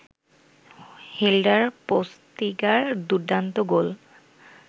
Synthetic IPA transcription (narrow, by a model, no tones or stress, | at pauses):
helɖaɹpost̪iɡaɹd̪uɖːant̪oɡol